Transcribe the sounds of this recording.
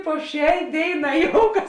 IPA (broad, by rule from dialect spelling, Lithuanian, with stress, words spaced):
poː ˈʃʲɛɪ ˈdʲeːɪˌnɑː ˈjoːʊkɐs